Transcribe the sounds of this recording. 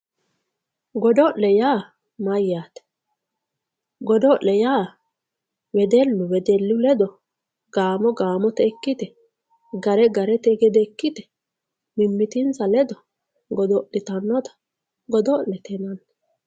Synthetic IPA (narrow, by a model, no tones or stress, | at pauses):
ɡɔd̪ɔʔlɛjaː | mɐjaːt̪ɛ̥ | ɡɔd̪ɔʔɛjaː | wɛd̪ɛlːʊwɛd̪ɛlːʊlɛd̪ɔ | ɡ̥aːmɔɡaːmɔt̪ɛkːɪt̪ɛ | ɡɐɾɛɡɐɾɛt̪ɛɡɛd̪ɛkːɪt̪ɛ̥ | mɪmːɪt̪ɪnt͡sɐlɛd̪ɔ | ɡɔd̪ɔlːɪt̪ɐnːɔt̪ɐ̥ | ɡɔd̪ɔlɛt̪ɛnɐnː